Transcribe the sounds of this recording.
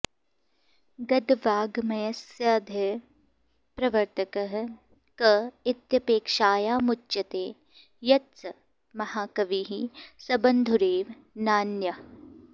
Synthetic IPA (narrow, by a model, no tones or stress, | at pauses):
ɡɐd̪ʋaːɡmɐjɐsjɐd̪ʱjɐ | pɾɐʋɐɾt̪ɐkɐɦ | kɐɪt̪jɐpeːkʃaːjaːmut͡ʃːʃɐt̪eː | jɐt̪sɐ | mɐhaːkɐʋiɦisɐbɐnd̪ʱuɾeːʋ | naːnjɐ